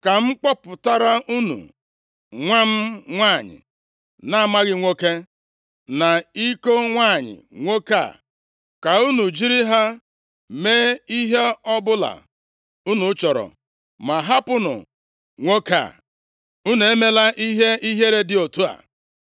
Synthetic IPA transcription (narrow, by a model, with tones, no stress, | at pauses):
ka˨ŋ͡m̩˦k͡pɔ˦pʊ˨ta˦ɾa˦ʔu˦nṵ˨ | ŋʷa˦m̩˦ŋʷa˦˨ɲɪ̰˨ | na˦a˨ma˦ɣɪ˦ŋʷo˦ke˦ | na˨i˦ko˦ŋʷaː˦˨ɲɪ̰˨ŋʷo˦ka̰˦˨ | ka˨u˦nu˨d͡ʒi˦ɾi˦ɦa˦ | me˦i˦ɦe˦ɔ˦bʊ˦la̰˨ | u˦nu˨˦t͡ʃɔ˨ɾɔ̰˨ | ma˨ɦa˦pʊ˦nʊ̰˨ | ŋʷo˦ka̰˨ | u˦nu˨e˦me˦la˦ʔi˦ɦe˦i˦ɦe˦ɾe˦dɪ˨o˨tu˦a̰˨